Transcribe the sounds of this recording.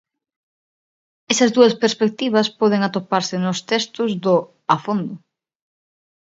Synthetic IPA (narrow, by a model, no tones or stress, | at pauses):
ɛsɐzðuɐspeɾspek̚t̪iβ̞ɐspɔð̞eŋat̪opaɾsɪnʊst̪ɛst̪ʊzðʊ | afond̪ʊ